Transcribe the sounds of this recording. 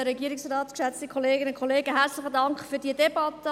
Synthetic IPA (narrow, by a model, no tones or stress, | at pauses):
əɾɛɡiːəɾɪksrɑːtkʃɛt͡stikʰoleːɡɪnʊnkʰoleːɡəɦɛɾt͡slɪχədɑŋkχfyːɾd̥iːədɛb̥ɑtə